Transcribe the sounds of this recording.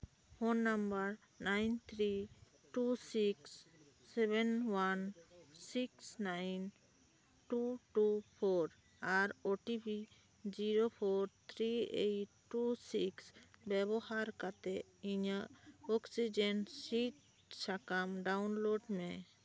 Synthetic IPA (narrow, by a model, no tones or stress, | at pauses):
honːambəɾ | najnt̪ʰɾi | ʈusiksː | ɛbɛnwansiksnajn | ʈuʈupʰoɾ | aɾoʈibi | d͡ʒiɾopʰɔɾt̪ʰɾiḛjʈːusiksbɛbɔhaɾkat̪ɛ | iɲəʔɔksid͡ʒensiʈ̚ | sakamɖawnloɖmɛ